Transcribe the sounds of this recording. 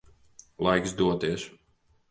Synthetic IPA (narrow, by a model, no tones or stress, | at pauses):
lˠajksd̪uɔt̪iɛs